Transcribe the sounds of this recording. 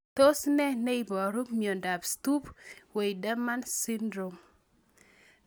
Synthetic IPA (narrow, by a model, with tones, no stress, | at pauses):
t̪o˦snɛ˦nɛ˦i˨bɔ˨ɾu˦miɔ˨nda˨bst̪u˦pwe˨jda˦ma˦nsi˦ndɾo˨m